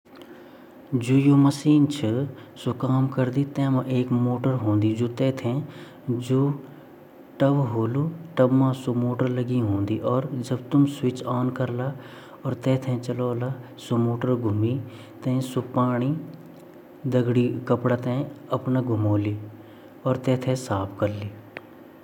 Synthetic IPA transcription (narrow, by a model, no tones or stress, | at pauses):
d͡ʒoːjoːməsiːnt͡ʃʰəsokaːmkəɾd̪it̪ɛ̃ːmãʔeːkmoːʈəɾɦõːnd̪id͡ʒoːt̪ɛːt̪ʰɛ̃ | d͡ʒoː | ʈəʋɦoːluːʈəbmãsomoːʈəɾləɡiɦõːnd̪iʔɔːɾd͡ʒɐbt̪ʊmswɪt͡ʃɔːnkəɾla | ɔːɾt̪ɛːt̪ʰɛ̃t͡ʃɐloːla | somoːʈəɾɡʱʊmi | t̪ɛ̃ːsopaːɽ̃i | d̪ɐɡɽikəpɽat̪ɛ̃ɐpnaɡʱʊmoːliː | ɔːɾt̪ɛːt̪ʰẽsaːpʰkɐɾliː